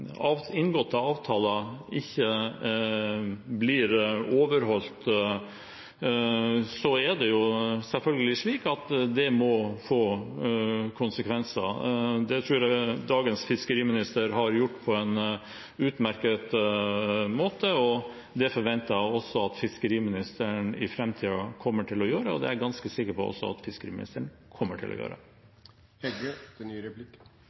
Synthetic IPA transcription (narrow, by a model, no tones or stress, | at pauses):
ɑɪnɡɔt̪ːəɑːʋt̪ʰɑːlɑɪçːə | blɪɾoːʋəɾɦɔlt̪ | sɔæɖ̪ɛjʊsɛlfœlɡəlɪʂɭiːkɑt̪d̪ɛmɔfoː | kʰʊnsəkʰʋɛnsə̰d̪ɛt̪ʰɾʉːɾæd̪ɑːɡənsfɪskəɾiːmɪnɪst̪əɾɦɑɾjʊʈːpʰɔɛn | ʉːt̪mæɾkət̪ | moːt̪əɔ | d̪ɛfɔɾʋɛnt̪ɑæɔsːɔɑt̪fɪskəɾiːmɪnɪst̪əɳɪ̰fɾɛmt̪ʰiːɑkʰɔmːəʈʰɪlɔjøːɾəɔ̰d̪ɛ̰æɾɡɑnskəsɪkːəɾpɔɔ̰sːɔ̰ɑ̰t̪fɪskəɾḭːmɪ̰nɪ̰st̪əəɳkʰɔmːəʈʰɪ̰lʔɔ̰jø̰ːɾə̰ | hɛɡəd̪̥ɛnyːɾɛplɪkː